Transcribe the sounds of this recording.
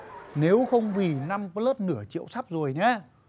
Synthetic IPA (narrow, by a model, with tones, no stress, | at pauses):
ne˨˦wxə˧wŋ͡mvi˨˩na˧mpə˧ləː˦˥t̚nɨ˧˩ət͡ɕḭ˧˨əwsa˦˥p̚zo˨˩jɲɛ˨˦